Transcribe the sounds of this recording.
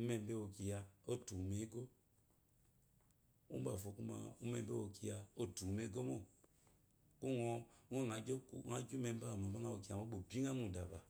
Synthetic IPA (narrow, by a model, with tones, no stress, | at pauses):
u˦me˦˨m˦be˦o˨ki˨ja˨o˦tu˨me˨˦ɡo˦ | ṵ˦a˨fo˨˦ku˦ma̰˨u˦me˨m˦be˦o˨ki˦ja˨o˦tu˨me˨˦ɡo˦mo˦ | ku˦ŋɔ˨˦e˦˨ŋa˨˦d͡ʒo˦ku˨ŋa˨˦d͡ʒu˦me˨m̩˦ba˦˨mo˨ba˦ŋa˦o˨ki˨a˨mo˦ɓo˨bi˦ŋa˦mu˨da˨ba˨